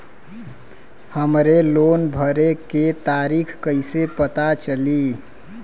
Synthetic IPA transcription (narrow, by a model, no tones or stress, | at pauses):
həmɾelonbʱəɾeket̪aɾikʰkəɪsepət̪at͡ʃəli